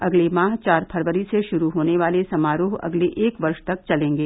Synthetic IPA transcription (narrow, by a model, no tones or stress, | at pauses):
ɐɡlemãːɦt͡ʃaːɾpʰɐɾʋəɾiseʃʊɾuɦoːneʋaːlesɐmaːɾoːɦɐ̰ɡleʔeːkʋɐɾʃt̪ɐk̚t͡ʃɐlẽːŋɡeː